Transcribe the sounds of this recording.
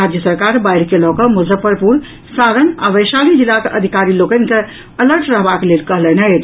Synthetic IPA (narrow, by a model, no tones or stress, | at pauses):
ad͡ʒjəsəɾkaɾbaiɾkelɔkəmuzəpəɾpuɾ | sad̪ənaʋəjsalid͡ʒilakʔəd̪ʱikaɾilokənke | ələɾʈɾəɦbaklelkəɦlɛnət̪